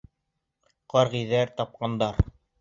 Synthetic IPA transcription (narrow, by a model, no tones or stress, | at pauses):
qɑɾʁiðæɾt̪ɑp̚qɑnd̪ɑɾ